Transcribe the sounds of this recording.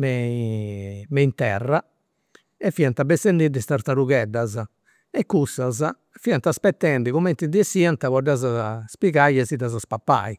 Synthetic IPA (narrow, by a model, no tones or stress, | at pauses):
mɛ | mɛint̪ɛrːa | ɛfːiant̪abɛst̪end̪id̪ist̪aɾt̪aɾuɣɛd̪ːaza | ɛkːusaza | fiant̪aspɛt̪ːɛɳɖiɣumɛnt̪id̪iɛsiant̪aβɔɖazaspiɣajɛzid̪azaspapːa̰i